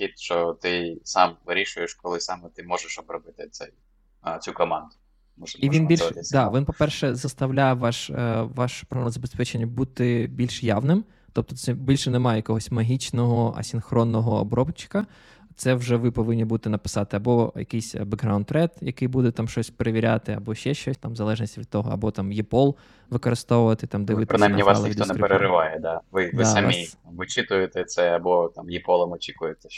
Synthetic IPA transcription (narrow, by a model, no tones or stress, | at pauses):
xʲit̪ʃt͡ʃɔt̪ɪsɑmʋɪɾʲiʃʊjɛʃkɔlˠɪsɑmɛt̪ɪmɔʒɛʃɔbɾɔbɪt̪ɪt̪sɛj | t͡sʲukɔmɑnd̪ʊ | mɔʒiʋʲinbʲilʲd̪ɑʋʲinpɔpɛrʃɛzɐst̪ɐwlʲajɛʋɑʃʋɑʃpɾɐɛmɐzɐbespɛt͡ʃenʲːɐbut̪ɪbʲilʲʃjaʋnɪm | t̪ɔp̚t̪ɔt̪sɛbʲilʲʃɛnɛmɑjɛjɐkɔɦɔsʲmɐɦʲit͡ʃnɔɦɔɐ̰sʲinxɾɔnːɔɦɔɔ̰bɾɔbt͡ʃɪ̥kɐ | t̪sɛwʒɛʋɪpɔʋɪnʲːibud̪t̪ɪnɐpɪ̥sɑt̪ɪɐbɔjɐ̰kɪjsʲbeɡɦɾawnɾɛd̪jɐkɪjbud̪ɛt̪ɑmʃt͡ʃɔsʲpeɾeʋʲiɾʲat̪ɪɐ̰bɔʃt͡ʃɛʃt͡ʃɔsʲt̪ɑmzɐlˠɛʒnʲisʲtʲʋʲid̪t̪ːɔɦɔ̰ɐ̰bɔt̪ɑmjipɔlˠ | ʋɪkɔɾɪst̪ɔʋʊʋɐt̪ɪt̪ɑmd̪ɛʋɪt̪pɾɪnajmnʲiʋɑslˠɐixid̪ʲɔnɛɾpeɾeɾɪʋɑjɛd̪ɑʋɪdʋɪsɐmʲimʋɪt͡ʃɪt̪ʊjet̪ɛt̪sɛɐbɔt̪ɑmjipɔlˠɐmɔt͡ʃʲikʊjet̪ɛ